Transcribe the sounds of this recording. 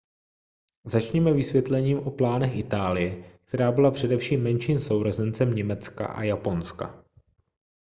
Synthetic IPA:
zat͡ʃɲɛmɛvɪsvʲjɛt̪lɛɲiːmʔo̞plaːnɛxʔɪt̪aːlɪjɛk̚t̪ɛɾaːbɪlapr̥ɛdɛfʃiːmːɛnʃiːmso̞wɾozɛnt͡sɛmɲɛmɛt͡ska̰ʔa̰japo̞nska̰

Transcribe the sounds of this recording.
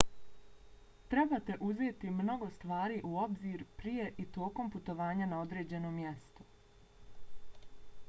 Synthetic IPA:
t̪ɾe̞bat̪e̞ʔuzeːt̪imno̞ɡo̞st̪ʋaːɾiːʔuo̞bziːɾpɾije̞ʔit̪o̞ːko̞mput̪o̞ʋaːɲanao̞d̪ɾe̞ːd͡ʑe̞no̞ːmːje̞st̪o̥

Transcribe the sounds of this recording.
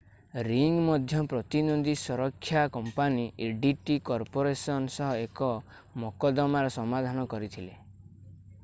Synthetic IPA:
ɾiŋɡmɔd̪ʱjɔpɾɔt̪inod̪isɔɾɔkʰːjakɔmpaniʔeɖiʈikɔɾpoɾesɔnsɔɦɔekɔ | mɔkɔd̪ɔmaɾɔsɔmad̪ʱanɔkɔɾit̪ʰile

